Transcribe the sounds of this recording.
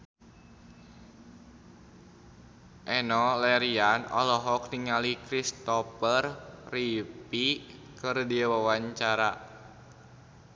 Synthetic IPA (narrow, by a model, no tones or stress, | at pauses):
ʔɛnɔlɛɾianɔ̰lɔɦɔk̚niŋalikɾist̪ɔpərripikɨrdiwawaɲt͡ʃaɾa